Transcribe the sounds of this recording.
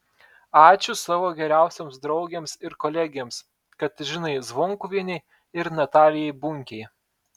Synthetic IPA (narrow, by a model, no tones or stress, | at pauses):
ɑːt͡ʃʲʊsɑːʋoːɡʲɛɾʲæˑʊsʲoːmsd̪ɾɒʊɡʲeːmsɪɾkoːlʲɛɡʲeːms | kɐt̪ʒʲɪnɐɪzʋɔŋkʊʋʲiɛnʲɛɪ | ɪɾnɐt̪ɑːlʲɪjɛɪbʊŋʲkʲɛɪ